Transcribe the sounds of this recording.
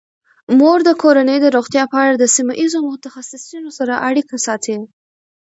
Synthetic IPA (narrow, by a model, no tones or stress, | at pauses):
moɾd̪əkoɾanəjd̪əɾoɣt̪jɑpəaɽad̪əsimaʔizomʊt̪axasɪsunosaɾaʔaɽikasɑt̪ʰil